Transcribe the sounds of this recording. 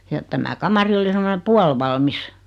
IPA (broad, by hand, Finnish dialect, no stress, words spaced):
jɑ tæmæ kɑmɑri oli semone puɑlʋɑlmis